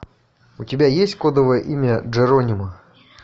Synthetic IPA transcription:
ʊtʲɪbʲajesʲtʲkod̪əvəjə̰ʔimʲəʐɨɾonʲɪmə

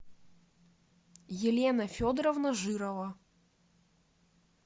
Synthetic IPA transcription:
jɪlʲenɐfʲod̪ɾɐvnɐʐɨɾɐvɐ

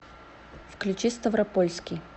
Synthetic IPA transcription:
fklʲʉt͡ɕist̪ɐvɾɐpolʲskʲɪj

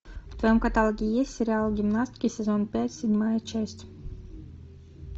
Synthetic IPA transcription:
t̪vɛmkat̪alˠɡʲijɛsʲiɾʲalˠɡʲimnasʲt̪ʲkʲisʲɛzɔnpʲɛːt̪sʲid̪ʲmajɛt͡ʃɛjsʲt̪ʲ

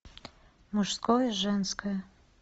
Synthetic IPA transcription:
muʃskojʒɛnskʰəj

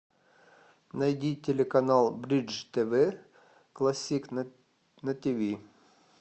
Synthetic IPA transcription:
nɐjdʲitʲelʲekɐnɑlˠbɾʲid͡ʒt̪ʲɛʋɛ | klˠɐsʲik | nɐt̪ʲiʋʲi

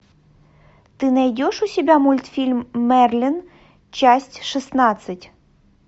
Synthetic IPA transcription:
t̪ɨnɐjdʲoʂusʲɪbʲamulʲt̪fʲilʲmːɛrlʲin | t͡ɕasʲtʲʂɨsnat̪sɨtʲ

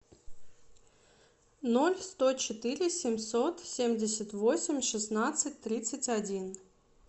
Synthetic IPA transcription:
nolʲst̪ot͡ɕɪt̪ɨɾʲɪsʲemʲsot̪sʲemʲdʲɪsʲət̪vosʲɪmʲʂɨsnat̪sɨtʲt̪ɾʲit̪sətʲadʲin

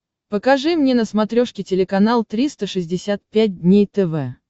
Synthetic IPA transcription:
pəkɐʐɨmnʲenəsmɐt̪ɾʲoʂkʲɪtʲɪlʲɪkɐnalˠt̪ɾʲist̪əʂɨzʲdʲɪsʲat̪̚pʲæt̚ʲdʲnʲejt̪ɛvɛ

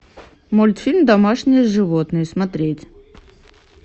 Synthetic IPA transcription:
molʲɪt̪fʲilʲmd̪ɐmaʂnʲɪjəʐɨvot̪nɨjsmɐt̪ɾʲetʲ

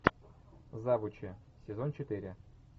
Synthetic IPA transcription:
zavʊt͡ɕɪ | sʲɪzont͡ɕɪt̪ɨɾʲɪ

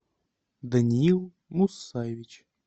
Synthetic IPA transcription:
d̪ənʲiilˠ | musːajevʲit͡ɕ

